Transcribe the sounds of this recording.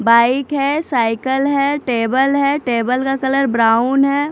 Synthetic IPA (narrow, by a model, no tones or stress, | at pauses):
baːɪkɦɛsaːɪkəlɦɛʈeːbəlɦɛʈeːbəlkakɐləɾbɾaːʊnɦɛ